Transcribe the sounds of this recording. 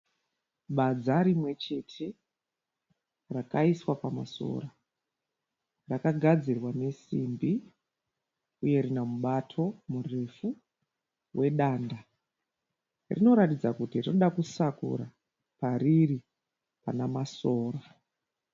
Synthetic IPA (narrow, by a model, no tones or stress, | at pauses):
ɓad͡zaɾimwe̞t͡ʃe̞tʰe̞ | rakaiswapama̰so̞̰ːra | rakaɡʱad͡zirwane̞simbi | uje̞ɾinamuɓatʰo̞mure̞fu | wʔe̞ɗaːnda | rḭno̞ɾatid͡zakutirinoɗakusakṵɾa | pariri | panamaso̞ːra